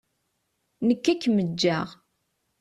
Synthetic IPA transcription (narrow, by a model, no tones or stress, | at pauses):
nəkːækːməd͡ʒːæʁ